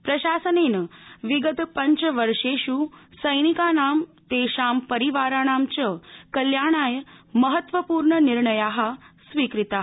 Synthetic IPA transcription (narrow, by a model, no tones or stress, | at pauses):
pɾɐʃaːsəneːnəʋiɡəd̪pɐɲt͡ɕʋəɾʂeːʃusəjnikaːnaːmt̪eʃaːmpəɾiʋaːɾaːnaːmt͡ɕəkɐljaːɳ̃aːjmɐɦət̪ʋəpuːɾɳəniɾɳəjaːɦasʋiːkɾit̪aːɦ